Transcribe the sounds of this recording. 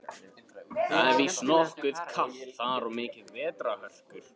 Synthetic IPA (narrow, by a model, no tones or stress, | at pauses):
θaɛɾvisnɔhkʏð̥kʰaht̪θaɾɔmɪːcɪðvɛːt̪ɾahœl̥kʏɾ̥